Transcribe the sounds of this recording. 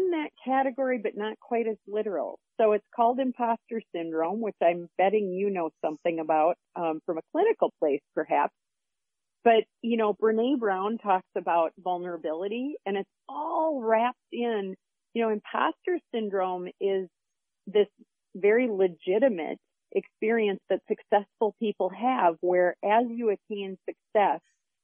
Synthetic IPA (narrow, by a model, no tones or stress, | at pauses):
nðɨt̚kʰæɾɨɡɔɹibʌtⁿnət̚kʰw̥aɪɾɨzlɪɾə˞l̩ˠsoʊɨtskʰɔlˠdɨ̃mpʰɑstə˞sɪ̃ndɹõʊ̃mwɨt͡ʃãɪ̃mb̥ɛɾɪ̃ŋjɨnoʊsʌ̃mθɪ̃ŋɨbaʊt̚ʌ̃fɹʌ̃mɨkʰl̥ɪ̃ñɨkl̩ˠpʰl̥eɪspʰə˞hæ̰ps | b̥ʌt̚jɨnoʊbə˞neɪbɹãʊ̃ntʰɔksɨbaʊt̚vʌlˠnə˞ɨbɪlˠəɾiɨ̃ñɨtsɔlˠɹæp̚tɪ̃n | jɨnoʊɨ̃mpʰɑ̰stə˞sɪ̃ndɹõʊ̃mɪz | ðɪs | vɛɹilɨd͡ʒɪɾɨmɨ̰ɾ | ʔɨkspɪɹiɨ̃nsðɨtsɨksɛsfl̩ˠpʰipl̩ˠɨvwə˞ʔɨzjɨɨtʰĩnsɨksɛs